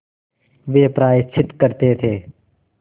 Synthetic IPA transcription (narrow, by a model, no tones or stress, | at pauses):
ʋeːpɾaːɪt͡ʃʰɪt̪kəɾt̪eːt̪ʰeː